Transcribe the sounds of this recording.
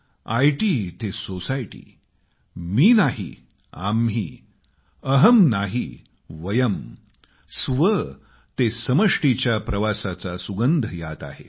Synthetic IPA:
ajʈit̪esosajʈḭː | miːnaɦḭ | a̰mɦi | əɦəmnaɦi | ʋəjəm | sʋə | t̪esəməʂʈit͡ɕjapɾəʋasat͡sasuɡənd̪ʱəjat̪a̰ɦḛ

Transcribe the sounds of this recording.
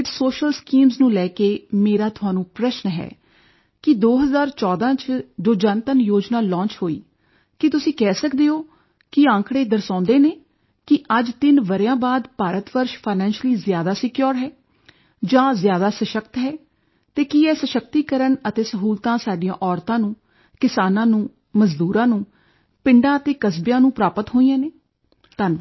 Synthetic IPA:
ɪʈsoːʃəlskiːmznũːlɛːkeːmeːɾaːt̪ʊaːnũːpɾəʃnɦɛ̰ː | kɪd̪oːɦəzaːɾt͡ʃɔːd̪ãːt͡ʃd͡ʒoːd͡ʒãːnt̪ənjoːd͡ʒnaːlɔ̃ːnt͡ʃɦoːḭː | kɪt̪ʊsĩːkɛːsəkd̪eːoː | kɪãːŋkɽeːd̪əɾsãːnd̪eːneː | kɪʔəd͡ʒt̪ɪnʋəɾjãːbaːd̪paːɾət̪ʋəɾʃpʰaɪnɛ̃ːnʃəliːzjaːd̪aːsɪkjoːɾɦɛː | d͡ʒãːzjaːd̪aːsəʃək̚t̪ɦɛː | t̪eːkiɛːsəʃək̚t̪iːkəɾəɳət̪eːsəɦuːlt̪ãːsaːɖijãːʔɔːɾt̪ãːnũː | kɪsaːnãːnũː | məzd̪uːɾãːnũː | pɪɳɖãːət̪eːkəsbjãːnũːpɾaːpət̪ɦoːiːãːneː | t̪ən

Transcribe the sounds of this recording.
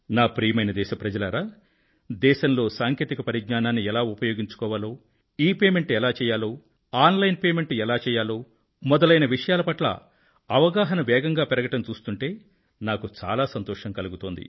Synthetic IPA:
naːpɾiːmɐjnɐd̪ɛːʃɐpɾɐd͡ʒɐlɐɾaː | d̪ɛːʃɐnlo̞ːsaːŋkeːt̪ikɐpɐɾiɡnaːnaːnːiɛlaːupɐjo̞ːɡiɲt͡ʃu̥kɔːʋaːloː | iːpeːme̞ɳʈɛlaːt͡ʃɛːjaːloː | aːnlɐjnpeːme̞ɳʈɛlaːt͡ʃɛːjaːloː | mɔd̪ɐlɐjnɐʋiʂɐjaːlɐpɐʈlɐ̰ | ɐʋɐɡaːɦɐnɐʋɛːɡɐŋɡaːpɛɾɐɡɐʈɐmt͡ʃuːst̪uɳʈe̞ː | naːkut͡ʃa̰ːlaːsɐnt̪ɔːʂɐŋkɐluɡut̪o̞ːnd̪ḭ

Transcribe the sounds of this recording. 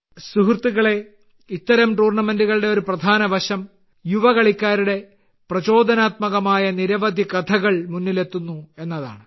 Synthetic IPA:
suɦrt̪ːuɣɐɭe̞ | it̪ːɐɾɐmʈuːrɳɐmenduɣɐɭɨɽeo̞ɾuprɐd̪ʱaːnɐʋɐɕɐm | juʋɐɣɐɭikʲːaːɾuɽe̞ | prɐt͡ɕo̞ːd̪ʱɐnaːt̪mɐɣɐmaːjɐniɾɐʋɐd̪ʱikɐt̪ʰɐɣɐɭmunːile̞t̪ːunːue̞nːɐða̰ːɳɨ

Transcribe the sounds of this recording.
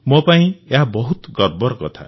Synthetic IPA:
mɔpaĩeɦabɔɦut̪ɡɔɾbɔɾɔkɔt̪ʰa̰

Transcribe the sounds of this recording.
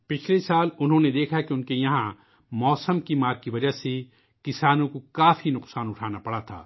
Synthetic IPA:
pɪt͡ʃʰlesaːlʊnɦõned̪eːkʰakeʊnkejɐɦã | mɔːsəmkimaːɾkiʋɐd͡ʒaɦse | kɪsaːnõkokaːfinʊqsaːnʊʈʰaːnapɐɽat̪ʰa̰ː

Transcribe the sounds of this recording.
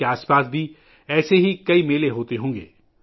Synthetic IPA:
eaːspaːs̬bʱi | ɛːseɦikɐimeːleɦoːt̪eɦõːŋɡḛː

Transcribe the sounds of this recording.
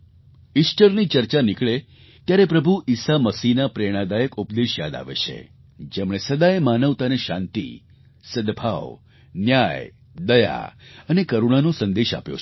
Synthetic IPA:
isʈəɾnit͡ʃəɾt͡ʃanikɭe | t̪jaɾepɾəbʱuʔisaməsinapɾeɽ̃ad̪ajəkupd̪eʃja̰d̪a̰ʋḛt͡ʃʰḛ | d͡ʒemɽ̃esəd̪aemanəʋt̪aneʃã̰nt̪ḭ | səd̪bʱa̰ʋ | njaj | d̪əja̰ənekəɾuɽ̃anõsə̃nd̪eʃa̰pjo̰

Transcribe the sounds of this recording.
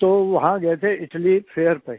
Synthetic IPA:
t̪oʋɐɦãɡɛet̪ʰeɪʈlipʰeːəɾpə

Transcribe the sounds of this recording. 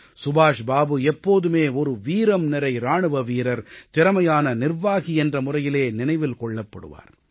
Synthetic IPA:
sʊbaːʂbaːbɯɛpːoːðɯmeːɔɾɯʋiːɾɐmnɪɾɐɪɾaːɳɯʋɐʋiːɾɐɾt̪ɪɾɐmɐjaːnɐnɪrʋaːɣiɛndrɐmʊrɐjɪleːnɪnɐɪʋɪlkɔɭːɐpːɐ̰ɽɯ̰ʋa̰ːɾ

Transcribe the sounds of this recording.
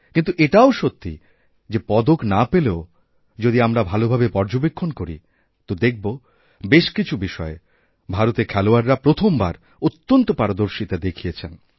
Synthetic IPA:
kint̪uʔeʈaoʃot̪ʰːḭ | d͡ʑepɔd̪oknapeleo | d͡ʑod̪iamɾabʱalobʱabepɔɾd͡ʑobekʰːonkoɾḭ | t̪od̪ek̚ʰbo | beʃkit͡ɕʰubiʃɔe | bʱaɾot̪eɾkʰɛloaɾːapɾot̪ʰomba̰ɾ | ut̪ːont̪opaɾod̪oɾʃit̪ad̪ekʰijet͡ɕʰen

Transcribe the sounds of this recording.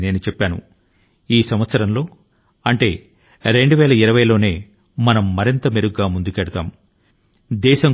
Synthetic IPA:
ne̞ːnut͡ʃɛpːaːnṵ | iːsɐmʋɐt̪sɐɾɐmlo̞ː | ɐɳʈe̞ː | ɾe̞ɳɖuʋɛːlɐiɾɐʋɐjlo̞ːne̞ː | mɐnɐmːɐɾint̪ɐmeɾuɡaːmund̪ukɛɽɐt̪aːm | d̪ɛːʃɐŋ

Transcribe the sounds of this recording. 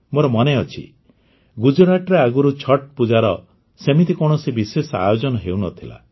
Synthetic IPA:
moɾɔmɔneɔt͡ʃʰḭ | ɡud͡ʒɔɾaʈɾeaɡuɾut͡ʃʰɔʈ̚pud͡ʒaɾɔ | semit̪ikɔɽ̃ɔsibisesɔa̰jod͡ʒɔnɔɦewnɔt̪ʰila̰

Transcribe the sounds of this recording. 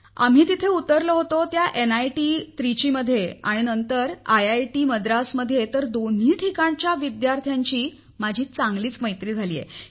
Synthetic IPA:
a̰m̤iːt̪it̪ʰeut̪ːəɾləɦot̪ot̪jaʔenajʈiːt̪ɾit͡ɕiːməd̪ʱːjea̰ɽ̃inənt̪əɾajajʈiməd̪ɾasməd̪ʱjet̪əɾd̪onɦiːʈʰikaɳt͡ɕjaʋid̪jaɾt̪ʰjaɲt͡ɕiː | mad͡ʑʱiːt͡saŋɡliːt͡sməjt̪ɾiːd͡zʱalḭːjḛ

